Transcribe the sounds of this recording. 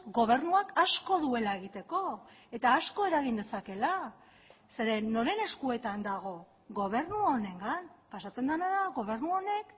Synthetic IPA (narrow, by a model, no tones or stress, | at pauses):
ɡo̞β̞e̞ɾnuakasko̞ðue̞lae̞ɣit̪e̞ko̞ | e̞t̪aːsko̞e̞ɾaɣ̞ind̪e̞sake̞la | se̞ɾe̞nːo̞ɾe̞ne̞skue̞t̪and̪aɣ̞o̞ | ɣo̞β̞e̞rnuone̞ŋɡanpasat͡se̞nd̪anaðaɣo̞βe̞ɾnuo̞ne̞k